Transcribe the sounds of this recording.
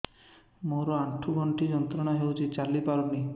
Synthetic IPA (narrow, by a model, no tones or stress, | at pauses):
moɾɔaʈʰːuɡɔɳʈʰid͡ʒɔnt̪ɾɔɽaɦewt͡ʃʰit͡ʃalipaɾuni